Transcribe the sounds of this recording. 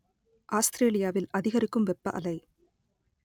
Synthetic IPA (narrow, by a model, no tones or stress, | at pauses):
ʔaːst̪ɾeːlɪjaːʋɪlʔɐðɪɣɐɾɪkːɯmʋɛpːɐ̰ʔɐ̰lɐɪ